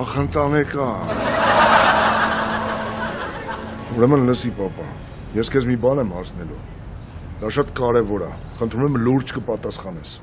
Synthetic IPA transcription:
ɑχənt̪ɑnɛkɑ | uɾɛmənləsipɑpɑ | jɛskʰɛzmibɑnɛmhɑsʰnɛlu | d̪ɑʃɑt̪kɑɾɛvɔɾɑ̰ | χənt̪ʰɾumɛmluɾt͡ʃʰkəpɑt̪ɑsχɑnɛs

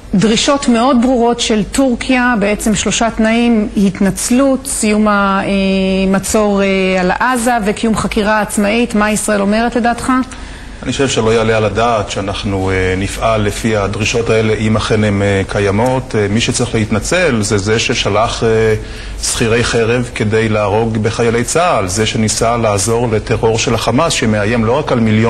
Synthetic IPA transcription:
dʁiʃo̞tme̞o̞d̚bʁuʁo̞tʃe̞ltuʁkʰijabeet͡se̞mʃlo̞ʃat̪naimhit̪nat͡slutsijumaemat͡so̞ʁealaʔazavekijumχakiʁaːt͡smaitmaisʁae̞lo̞me̞ʁetle̞daːtχa | aniχoʃevʃeloajalealadaːtʃeanaχnuenifʔalːefiad̪ʁiʃo̞tae̞le̞ʔimaχenemekʰajamo̞tʰmiʃet͡saʁiχleit̪nat͡se̞lzezeʃe̞ʃalaχe | sχiʁe̞jχe̞ʁe̞vke̞de̞jlaːʁo̞ɡbe̞χajale̞jt͡saːlzeʃe̞nisalaːzo̞ʁlet̪e̞ʁo̞ʁʃelaχamasʃeme̞aje̞mlo̞ʁakalmiljo

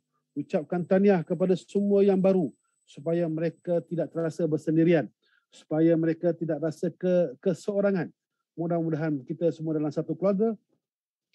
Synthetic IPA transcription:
ut͡ʃap̚kant̪aniahkəp̬adasəmuajaŋbaɾu | su̥pajaməɾekat̪idaʔ̚t̪əɾasabərsəndiɾian | su̥pajaməɾekat̪idaʔrasəkəkəsəoɾaŋan | mudahəmudaɦankit̪asəmuadalamsat̪ukluarɡa

